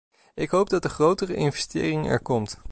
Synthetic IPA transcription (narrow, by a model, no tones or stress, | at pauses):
ɪkɦowb̚dɑt̚dəχrowtərəʔɪnvɛstɪ̰ːrɪŋɛ̰ɹkɔmt